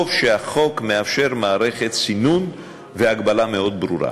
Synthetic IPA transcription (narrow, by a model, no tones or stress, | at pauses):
vʃeaχo̞kmeafʃe̞ɾmaːɾe̞χet̪sinun | veaɡbalameo̞d̪bɾuɾa̰